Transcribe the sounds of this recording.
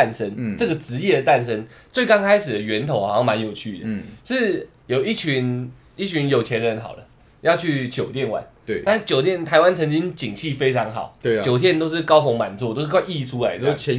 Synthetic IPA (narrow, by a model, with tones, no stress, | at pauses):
a˥˩nʂə˦˥nʈ͡ʂɤ˥˩ɡə˩ʈ͡ʂɻ̩˧˥jɛ˥˩d̪ə˩t̪a˥˩nʂə˦nt͡swe˥˩ɪkɑ˥ŋkʰa˥ɪʂɻ̩˨˩d̪ə˩ɥɛ˧˥nt̪ʰo˨˧˦xɑ̰˨˧˦o˥˩ma˧˦njo˨˩ʊt͡ɕʰy˥˩d̪ə˨ʂɻ̩˥˩ | jo˨˩ʊi˥˩t͡ɕʰy˧˦n | i˥˩t͡ɕʰy˧˦njo˨˩ʊt͡ɕʰjɛ˧˦nd̪ə˧ɻə˧˦nxɑ̰˨˩ʊdə˦ | jɑ˥˧ʊt͡ɕʰy˥˩t͡ɕjo˨˩ʊt̪jɛ˥˨nwa̰˨˩˦n˥a˥˧t͡ɕjo˨˩ʊt̪̬jɛ˥˩nt̪ʰa˧˥ɪwa˦˥nt͡sʰə˧˥ŋt͡ɕi˦˥ŋt͡ɕi˨˩ŋɕi˥˨fe˥ɪt͡sʰɑ˧˥ŋxɑ˨˩˦ʊt͡ɕjo˨˩ʊt̪ʰjɛ˥˧nt̪o˥ʊʂ̬ɻ̩˥˩kɑ˥ʊfo˧˥ŋma˨˩nt͡swɔ˥˨˧to˥ʊʂ̩˥˩kʰa˥˧i˥˩ʈ͡ʂʰu˦˥la˧˦ɪd̪ə˧